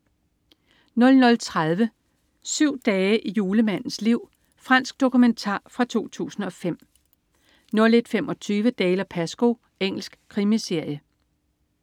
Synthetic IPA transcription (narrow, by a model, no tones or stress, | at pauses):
nɔ̽lnɔ̽lt͡sʰʁað̞ˠʋə | syʊ̰d̥ɛːəʔijuːləmæn̰n̩sliʊ̰ | fʁɑn̰sɡ̥̚d̥o̝kument͡sʰɑ̰̈ːfʁɑ̈t͡sʰo̝̰ːt͡sʰṵːsn̩ɒ̽fem̰ | nɔ̽le̝d̥femɒ̽t͡sʰyːʋəd̥ɛːlɐpʰæsɡ̥o̝ | eŋ̰l̩sɡ̥kʰʁimise̝ɐ̰jə